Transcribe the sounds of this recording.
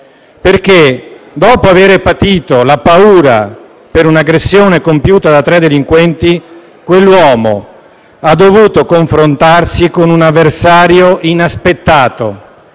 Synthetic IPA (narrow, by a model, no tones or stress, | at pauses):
perk̟ed̪ɔːpoaveːɾepat̪iːt̪olapauːɾa | peɾunaɡɾesːjoːnekompjuːt̪ad̪at̪ːɾɛd̪ːeliŋkwɛnt̪i | kwelːwɔːmo̰ | ad̪ːovuːt̪okoɱfɾont̪arsikonunavːersaːɾjoʔinaspet̪ːaːt̪o